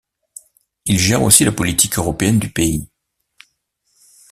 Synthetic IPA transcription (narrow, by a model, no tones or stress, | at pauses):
ilʒɛʁo̰silapɔlit̪ʰikøʁɔpeɛnd̪ypei